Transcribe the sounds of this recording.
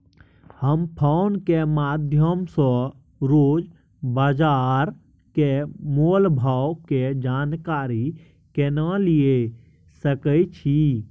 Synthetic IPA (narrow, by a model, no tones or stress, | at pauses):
həmpʰaʊnkemad̪ʱjəmsɔ̃ | ɾoːd͡ʒ | baːd͡ʒaɾ | kemolbʱawked͡ʒaːnkaɾi | kenəlie | səkət͡ʃʰi